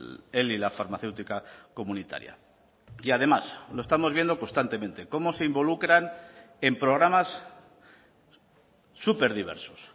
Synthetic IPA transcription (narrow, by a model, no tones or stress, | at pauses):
elilafaɾmaθe̞wt̪ikako̞mũnit̪a̰ɾja̰ | iaðe̞masloe̞st̪amo̞zβje̞nd̪o̞ko̞st̪ant̪e̞mẽ̞nt̪e̞ko̞mo̞se̞imbo̞lukɾan | e̞mpɾo̞ɣ̞ɾamas | upe̞ɾðiβ̞e̞̰ɾsos